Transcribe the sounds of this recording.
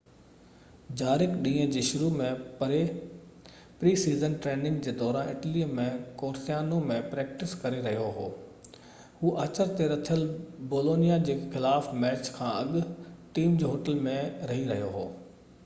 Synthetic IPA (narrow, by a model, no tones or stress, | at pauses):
d͡ʑaːɾɪkɗĩːə̃d͡ʑeːʃʊɾumẽpɾe | pɾiːsiːzənʈɾeːɳɖɪ̃ŋɡd͡ʑeːd̪ɔːɾaːnɪʈəlimẽkoːɾsijaːnõmẽpɾɛːkʈɪskɐɾeɾɐɦijoɦo̰ː | ɦuːʔɐt͡ɕəɾt̪eɾɐt̪ʰijəlboːloːnijad͡ʑeːxɪlaːfmɛːt͡ɕkʰãːɐɠʈiːmd͡ʑoɦoːʈəlmẽɾɐɦiɾɐɦjoɦo̰ː